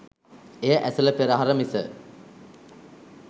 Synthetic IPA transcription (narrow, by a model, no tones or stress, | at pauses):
ejəʔæsələpeɾɐɦaɾəmisə